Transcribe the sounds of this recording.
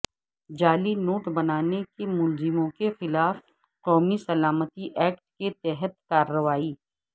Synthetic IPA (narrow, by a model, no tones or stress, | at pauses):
d͡ʒaːlinoːʈbɐnaːnekemʊlzɪmõkexɪlaːf | qɔːmisɐlaːmət̪iʔɛːk̚ʈ̚ket̪ɛɦət̪̚kaːɾːəʋaːiː